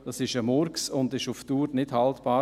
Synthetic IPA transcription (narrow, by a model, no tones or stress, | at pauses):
d̥ɑsɪʃəmɔɾksʊndɪʃʊftuːɾnɪdhɑltb̥ɑː